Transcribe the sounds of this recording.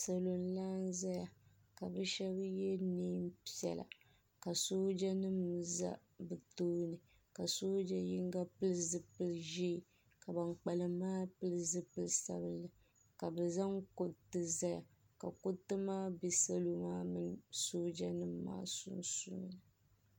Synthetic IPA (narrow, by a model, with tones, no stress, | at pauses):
sa˨lo˨n˦laː˦n˦za˦ja˨ | ka˨bɨ˦ʃɛ˦bɨ˦jɛ˦ni˦m˦pi˦ɛ̰˨la̰˨ | ka˨soː˦d͡ʒa˦nɨ˦mza̰˦ | bɨ˨toː˦nɨ˨ | ka˨so˦d͡ʒa˦ji˦ŋ˦ɡa˦pɨ˦lzɨ˦pɨ˦lʒi˦˨ | ka˨ba˨ŋk͡pa˨lɨ˨mːaː˦pɨ˦lɨ˦zɨ˦pɨ˦lsa̰˦bɨ˦lɨ˨ | ka˨bɛ˨za˦ŋko˨tɨ˨za˦ja̰˨ | ka̰˨ko˦tːɨ˦maː˦bi˦sa˦lo˦maː˦mɨ˨ŋ˦so˦d͡ʒa˦nɨ˦mː˦a̰ː˦sṵ˦nsṵ˦˨nɨ˨